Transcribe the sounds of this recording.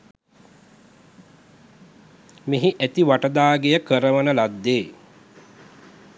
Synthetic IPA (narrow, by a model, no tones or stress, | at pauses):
meɦiʔæt̪iʋaʈəd̪aːɡejəkəɾəʋənəlad̪ːeː